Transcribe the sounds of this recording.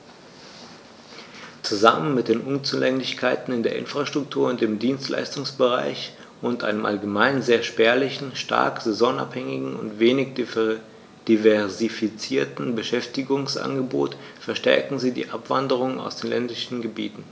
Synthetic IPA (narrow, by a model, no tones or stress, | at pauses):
t͡suzamənmɪt̚d̥eːnʔʊnt͡suːlɛŋlɪçkʰaɪtn̩ɪndeːɐʔɪ̰nfʁ̥aʃtʁ̥ʊktʰuːɐʊnt̚d̥eːmdiːnstlʔa̰ɪstʊŋsb̥əʁa̰ɪç | ʔʊntʔa̰ɪnəmʔa̰lɡəmaɪnzeːɐʃpɛɐlɪçn̩ʃta̰ɐkz̥ɛzɔːna̰phɛŋɪɡŋ̩ʊ̰ntv̥eːnɪç | d̥ivɛɐzifit͡siːɐtn̩bəʃɛftɪɡʊŋsʔa̰nɡəbo̰ːt | fɛɐʃtɛɐkŋ̩ziːdḭːʔapv̥a̰ndəʁ̞ʊŋəna̰ʊsd̥eːnlɛndɪʃn̩ɡəbḭːtn̩